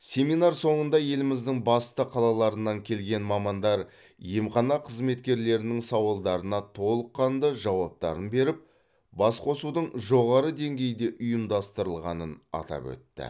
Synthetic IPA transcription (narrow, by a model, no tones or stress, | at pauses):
sʲe̞minɑɾso̞ɴənd̪ɑje̞lɪmɪzd̪ɪŋbɑst̪əqʰɑlˠɑlˠɑɾənːɑŋkʲʰe̞lɡʲe̞nmɑmɑnd̪ɑɾ | jemχɑnɑqʰəzme̞t̪kʲe̞ɾle̞ɾɪnɪŋsɑwɑlˠd̪ɑɾənɑt̪ʰo̞lˠəqːɑnd̪əʒɑwɑp̚t̪ɑ̰ɾənbe̞ɾɪp̚ | bɑsqʰo̞sud̪əɴʒo̞ʁɑɾəd̪e̞ŋɡʲe̞jd̪e̞ʔʊjəmd̪ɑst̪əɾəlˠʁɑnənɑ̰t̪ɑ̰pwɵ̰t̪ːɪ̰